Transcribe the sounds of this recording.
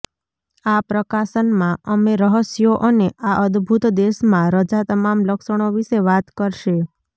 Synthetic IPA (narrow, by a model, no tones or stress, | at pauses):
apɾəkaʃənmãəmeɾəɦəsjoʔəneʔaʔəd̪bʱut̪d̪eʃmãɾəd͡ʒat̪əmamləkʃəɽ̃oʋiʃeʋat̪kəɾʃe